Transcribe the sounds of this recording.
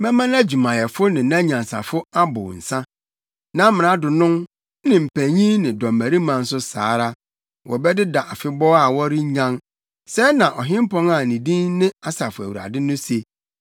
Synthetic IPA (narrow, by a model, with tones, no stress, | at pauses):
mɛ̃˦mã˦næ˦d͡ʑi˨mã˨jɛ˨fʊ˦nɪ̃˨nã˦ɲã˨n˨sa̰˨fʊ˦a˦bʊ̰˨n̩˨sã˦ | nã˦mɪ̃˨ɾã˨˦dʊ˨nʊ̃˦m˦ | nɪ̃˨m̩˨pʰæ˨ɲĩ˦nɪ̃˨dɔ̃˨m̩ːæ˨ɾi˦mã˨n̩˦sʊ˦sa̰ː˨˦ɾa˦ | wʔɔ˨bɛ˦dɪ˦da˨ʔa˨fɪ˦bɔ˦a˦˨wɔ˦ɾɪ˦ɲã˦ŋ | sɛ˦nã˨ʔɔ˨ɦɪ̃˦m˦pʰɔ̃˦ŋa˨nĩ˨dĩ˦nnɪ̃˦a˦sa˨fʊ˨æ˨wu˨ɾa̰˨dɪ˦nʊ̃˦se˨